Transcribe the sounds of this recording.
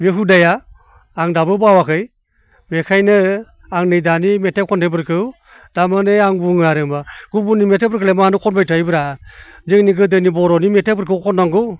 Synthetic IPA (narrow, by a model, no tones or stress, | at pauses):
meɦudajaː | ŋdabɯbawakʰɯj | mekʰajnɯ | aŋnɯjdanimetekʰɔntebɯɾkʰɯw | damanɯjaŋbuŋaɾɯŋbaɡ̥ubunimetebɯɾkʰɯlemaanɯkʰɔnbajtʰajbɯɾazeŋniɡɯdɯnibɔɾɔnimetebɯɾkʰɯwkʰɔnaŋɡɯw